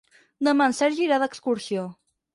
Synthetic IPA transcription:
d̪əmansɛɾʒiɾaðəkskuɾsjo

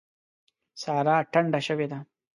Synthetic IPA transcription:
saːɾaːɐʈʰːɐɳɖɐʃɐʋed̪a

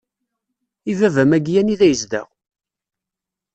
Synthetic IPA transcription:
ivævæmæɡjæniðæjəzd̪æ̰ʁ

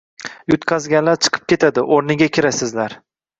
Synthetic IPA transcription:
jʊt̪qʰɑzɡʲanlaɾt͡ʃʰɨ̥qʰɨ̥p̚kʲe̞t̪ʰad̪ɪʔoɾnɪɡʲakʲʰɪɾasɪzlaɾ

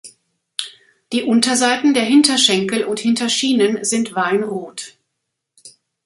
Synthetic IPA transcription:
d̥iːʔʊntɐzaɪtn̩deːɐɦɪntɐʃɛŋkl̩ʔʊnthɪntɐʃiːnənzɪntv̥aɪnʁoːt

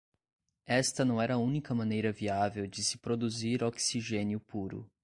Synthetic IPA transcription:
ɛst̪ɐnɐ̃w̃ɛɾɐũnikɐmɐ̃nejɾɐviavewd͡ʒɪsɪ̥pɾod̪uziɾoksiʒẽnjʊpuɾʊ̰

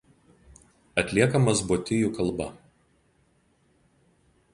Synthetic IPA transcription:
ɐt̪ʲlʲiɛkɐmɐsbuːt̪ʲɪjuˑkɐlˠbɐ̰

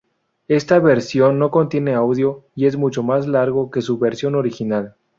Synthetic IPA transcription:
e̞st̪aβe̞ɾsjo̞nːo̞ko̞nt̪je̞ne̞awðjo̞ie̞zmut͡ʃo̞mazlaɾɣo̞ke̞suβe̞ɾsjo̞no̞ɾixinal

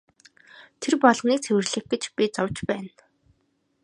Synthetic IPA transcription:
t̪ʰerpɔɮʁniːk̚t͡sʰewɘ̆rɮɘ̆xɡĕt͡ɕpʲit͡sɔwt͡ɕpæːn

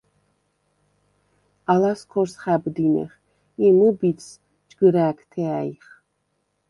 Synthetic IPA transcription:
alaskʰɔɾsχabd̪inɛ̰χ | imubit̪s | d͡ʒɡ̥əɾæːkʰt̪ʰɛaiχ

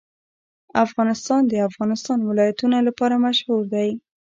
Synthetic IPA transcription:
afɣɑnɪst̪ɑnd̪əafɣɑnɪst̪ɑnwɪlɑjat̪unalapɑɾamaʃhuɾd̪aj

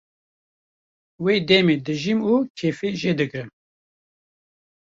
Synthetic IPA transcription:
weːd̪ɛmed̪ɨʒimukʰeːfeʒeːd̪ɨkɾɨm

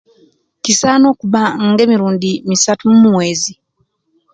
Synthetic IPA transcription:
cisaːno̞ːkuβaŋɡe̞ːmiɾuːndimisatumumumwe̞ːzi

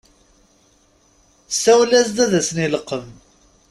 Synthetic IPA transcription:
sæwlæsd̪æðæsəniləqːəv

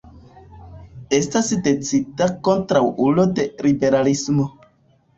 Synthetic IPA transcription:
e̞stasdet͡sitakontɾawulode̞ɾibe̞ɾalismo

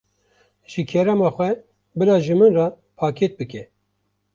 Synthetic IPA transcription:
ʒ̥ɨkʰɛɾɛmɑːxʷɛ | bɨɾɑːʒɨmɨnrɑː | pʰɑːkʰet̪̚bɨkɛ

